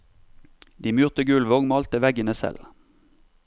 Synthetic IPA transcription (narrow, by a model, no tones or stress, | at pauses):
d̪iːmʉːʁt̪əɡʉːlʋɔŋmɑlt̪əʋɛɡənəsɛ̰l